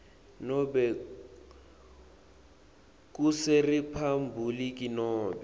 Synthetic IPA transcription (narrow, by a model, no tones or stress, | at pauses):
nɔbɛ | kʼusɪripʰambʱulikʼinɔːbɛ